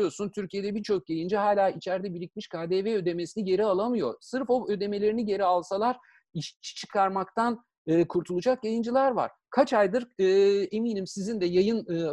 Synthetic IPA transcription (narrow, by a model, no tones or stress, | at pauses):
jo̞sunt̪ʰyɾcʰije̞d̪ɛbiɾt͡ʃʰo̞k̚ɟajɯnd͡ʒiɦaːlʲaːit͡ʃʰæɾd̪ɛbilʲicʲmiʃkʰaːd̪eːveø̞d̪e̞mesiniɟe̞ɾialˠamɯjo̞̰ɾsɯɾfo̞ø̞d̪e̞me̞lʲe̞ɾiniɟe̞ɾialˠsalˠaɾ̥ | iʃt͡ʃʰi̥t͡ʃʰɯ̥kʰaɾmakt̪ʰan | ɯːkʰuɾt̪ʰulˠud͡ʒak̚ɟajɯnd͡ʒilʲˠæɾva̰ɾ̥ | kʰat͡ʃʰajd̪ɯɾɯːe̞miːnimsizind̪ɛjajɯnɯ